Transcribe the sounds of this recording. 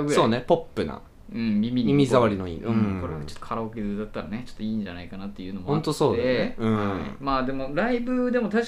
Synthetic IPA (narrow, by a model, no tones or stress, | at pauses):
so̞ːnepo̞pːɯ̟na̰ | ɯ̟̃ɴmʲimʲimimʲizaβaɾʲinoḭɯ̃ko̞ɾeɡat͡ɕot̪ːokʰaɾaokezɨːd̪at̪ːaɾane̞t͡ɕot̪ːoiːɲd͡ʑanaikanat̪ːe̞jɯ̟ːno̞mohõnt̪o̞so̞ːd̪eeɯ̟̃maːd̪e̞mo̞ɾaibɯd̪e̞mot̪a